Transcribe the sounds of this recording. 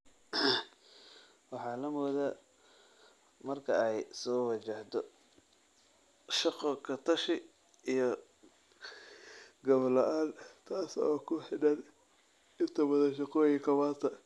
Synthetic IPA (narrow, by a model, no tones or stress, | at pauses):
wɑħɑːlɐmuːða | mɐrkʰɐɛjsɔːwɑt͡ʃɐht̪ɔ | ʃɑqɔkʰɐt̪ʰɐʃɪ | ijɔ | ɡɐβlɔʔaːnt̪ʰaːsɔːkʰʊħɪɖɐn | ɪnt̪ʰɐwɐðɐnʃɐqɔːjɪkʰɐwaːt̪ʰɐ